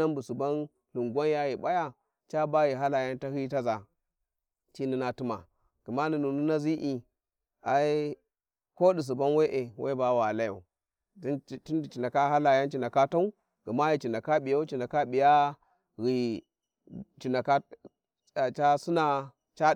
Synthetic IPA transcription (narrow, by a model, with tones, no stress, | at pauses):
a˦mbu˨su˨ba˦n | lu˨ŋɡʷa˦n˦ja˦ji˨ba˦ja˦ | t͡ʃa˦ba˦ji˨ɦa˦la˨ja˦nta˦hi˦ta˦za˨ | t͡ʃi˦ni˦na˨tu˦ma̰˨ | ɡ̥u˨ma˦ni˨nu˨nu˦na˦zi˦ʔi˦˨ | a˨i˦ | ko˦di˨s̬u˨ba˦nwe˦ʔe˨wʔḛ˦ba˨wa˨la˦ja̰˨u˨˦˨ | ti˦ndi˨t͡ʃi˨na˨ka˦ɦa˦la˨ja˦nt͡ʃi˨na˨ka˦ta˦u˦ | ɡ̥u˨ma˦ji˨t͡ʃi˨na˨ka˦ɓi˨ja˦u˦t͡ʃi˨na˨ka˦ɓi˨ja˦ | ɣi˨ | t͡ʃi˨na˨ka˦˨ | t͡ʃa˦su˦na˦ | t͡ʃa˦